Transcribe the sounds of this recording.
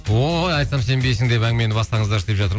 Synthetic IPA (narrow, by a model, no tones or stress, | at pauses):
ojɑjt̪sɑmse̞nbejsɪŋd̪e̞pæŋɡɪme̞nɪbɑst̪ɑŋɴəzd̪ɑɾst̪epʒɑt̪əɾm